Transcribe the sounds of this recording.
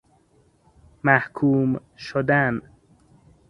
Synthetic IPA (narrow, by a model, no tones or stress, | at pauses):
mæhkʰuːm | ʃod̪æn